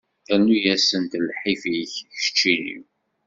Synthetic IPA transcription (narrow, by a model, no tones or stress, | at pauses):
ænːujæsənt̪lħifiçʃə̥t͡ʃːinḭw